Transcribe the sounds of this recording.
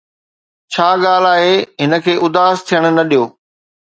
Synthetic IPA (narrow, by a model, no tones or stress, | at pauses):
t͡ɕʰaːɠaːl̤aːɦeɦɪnə̆kʰeːʔʊd̪aːzt̪ʰijəɽ̃ʊ̆nɐɗijoː